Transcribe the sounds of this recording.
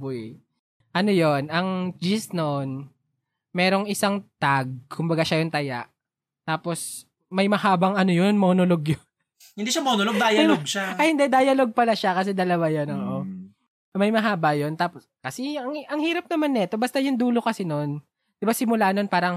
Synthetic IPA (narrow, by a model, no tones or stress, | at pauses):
bʊj | ʔɐno̞jo̞nɐŋd͡ʒɪsnon | mɛːɾo̞ŋɪsaŋt̪aɡ̚kʰʊmbɐɡaʃajʊŋt̪ɐjaʔ | t̪aːpo̞s | mɐjmɐhaːbɐŋɐnojonmɐonoloɡjon | hɪnd̪iːʃamɐunoloɡ̚d̪aːjɐoɡʃaɐjhɪnd̪ɛd̪aːjɐloɡ̚pɐlaʃakɐs̬ɛd̪ɐlɐwajɐnoːʔo | mɐjmɐɦaːbɐjont̪aːposkɐsɛɐŋɐŋhiːɾɐp̚nɐmanːɛt̪o̞bɐst̪ɐjʊŋd̪uːlo̞kɐsɛno̞n | d̪̥ɪbasɪmʊlanonpaːɾɐŋ